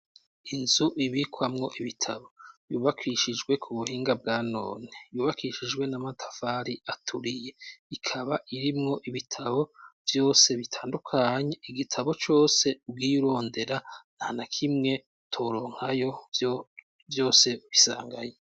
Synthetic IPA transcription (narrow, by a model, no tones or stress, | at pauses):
inzuʔiβikʰwamŋo̞ʔiβitʰaβo̞juːβakʰiːʃid͡ʒɡwe̞kʰuβuhiːŋɡab̚ɡaːno̞̰ːnejuːβakiːʃid͡ʒɡwe̞namatʰḁfaɾiʔatʰuɾije̞ikʰaβaʔiɾimŋo̞ʔiβitʰaβo̞vjo̞ːse̞βitʰaːndukʰaːɲe̞iɡitʰaβo̞t͡ʃo̞ːse̞ub̚ɡiːɾo̞ːnde̞ɾanaːnakʰimŋe̞ | tʰo̞ɾo̞ːŋ̥hajo̞ | vjo̞ːse̞uβisa̰ːŋɡaje